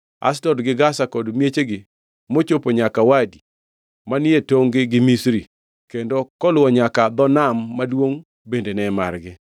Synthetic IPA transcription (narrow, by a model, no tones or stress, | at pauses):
a̰stɔdɡɪɡasakɔdmjet͡ʃeɡɪ | mot͡ʃopoɲakawadi | manɪjetoŋɡɪɡɪmisɾi | kendokɔlwɔɲakad̪ɔnamːadwoŋ | bendenɛma̰rɡɪ